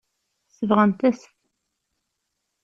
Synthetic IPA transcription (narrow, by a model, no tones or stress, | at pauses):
səvʁənt̪æsθ